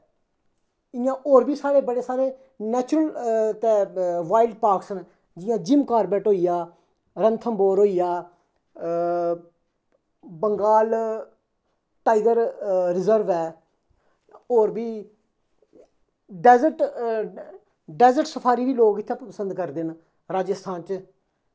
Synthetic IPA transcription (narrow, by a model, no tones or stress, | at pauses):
ɪjãːʔoːɾbiːsaːɽeːbəɽeːsaːɾeː | nɛːt͡ʃʊɾəlt̪eːʋaːɪlɖ̚paːɾksən | d͡ʒɪjãːd͡ʒɪmkaːɾbɛːʈɦoːijaː | ɾənt̪ʰəmboːɾɦoːijaː | bəŋɡaːl | ʈaːiɡəɾɾɪzəɾʋɛː | oːɾbiː | ɖɛːzəʈ | ɖɛːzəʈsəpʰaːɾiːʋiːloːɡɪt̪ʰːãːppəsə̃nd̪kəɾd̪en | ɾaːd͡ʒəst̪ʰãːnt͡ʃ